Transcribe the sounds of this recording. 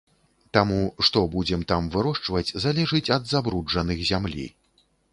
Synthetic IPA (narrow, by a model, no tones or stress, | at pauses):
t̪amuʂt̪ɔbud͡zʲɛmt̪amvɨɾɔʂt͡ʂvɐt͡sʲzalʲɛʐɨt͡sʲɐd̪zabɾud͡ʐɐnɨxzʲamlʲḭ